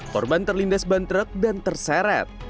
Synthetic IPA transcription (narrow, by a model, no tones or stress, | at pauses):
kɔrbant̪ərlindasbant̪ɾək̚dant̪ərsɛɾɛ̰t̪̚